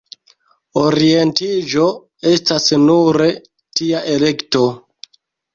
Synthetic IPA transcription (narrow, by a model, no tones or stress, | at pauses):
oɾie̞ntid͡ʒo̞ | e̞stasnuɾe̞ | tiaʔele̞kto̞